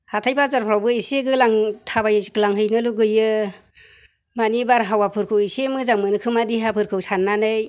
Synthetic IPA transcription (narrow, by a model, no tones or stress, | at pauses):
hatʰajbʰazaɾpʰɾawbɯiseɡɯlaŋtʰabajɡlaŋɦɯjnɯluɡɯjɯ | manibaɾɦawapʰɯɾkʰɯwisemɯzaŋmɯnɯkʰɯmadiɦapʰɯɾkʰɯwsanːanɯj